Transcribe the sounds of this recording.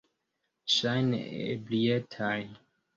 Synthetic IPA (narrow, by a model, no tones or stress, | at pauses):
ʃajn̰ḛblietʰaj